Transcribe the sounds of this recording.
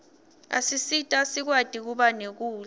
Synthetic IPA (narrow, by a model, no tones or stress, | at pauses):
a̰sisitʼasik̬wad̥ʱik̬uɓanek̬uː